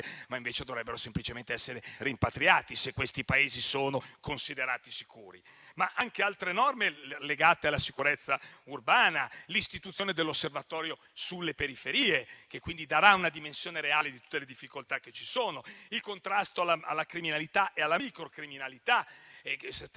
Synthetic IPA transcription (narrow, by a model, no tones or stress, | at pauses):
maiɱveːt͡ʃed̪ovɾɛbːeɾosemplit͡ʃement̪eɛsːeɾerimpat̪ɾiaːt̪isekːwest̪ipaeːzisoːnokonsid̪eɾaːt̪isi̥kuːɾḭmaʔaŋkealt̪ɾenɔrmeleɡaːt̪ealːasikuɾet̪sːaurbaːnalist̪it̪ut̪sːjoːned̪elːosːervat̪ɔːɾjo | sulːepeɾifeɾiːek̟ekːwind̪id̪aɾaunad̪imensjoːneɾeaːled̪it̪ut̪ːeled̪ifːikolt̪akːet͡ʃːi̥soːnoilkont̪ɾast̪oalaa̰lːakɾiminalit̪aʔealːaikɾokɾiminalit̪a | s